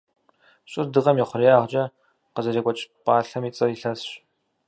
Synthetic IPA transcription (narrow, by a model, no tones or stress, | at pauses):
ɕʼɪrdɨʁɐmjɛχʷʊrjaːʁt͡ʃʼɐ | qəzɐzeːkʷʼɔt͡ʃʼpʼaːɬɐmiːt͡sʼɐiɬɐsɕ